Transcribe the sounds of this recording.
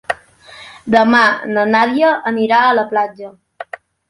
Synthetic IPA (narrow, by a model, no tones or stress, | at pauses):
d̪əmanənaðjəʔəniɾaələplad͡ʒə